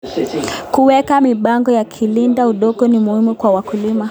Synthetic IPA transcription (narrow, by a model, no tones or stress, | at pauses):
kuwɛkamiɓaŋɡɔjakʰilindauɗɔɠɔnimuhimukwawakulima